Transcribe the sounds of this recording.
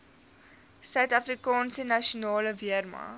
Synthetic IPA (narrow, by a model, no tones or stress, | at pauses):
sœɥtɐfrikɑːnsənɐʃionɑːləviərmɑ̰